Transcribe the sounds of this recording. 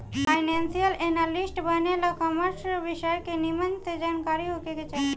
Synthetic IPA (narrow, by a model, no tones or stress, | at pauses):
pʰajnensialenalisʈbajnelakɔmaɾsbiʃɔekenimant̪ed͡ʑankaɾiɦokeɡet͡ɕa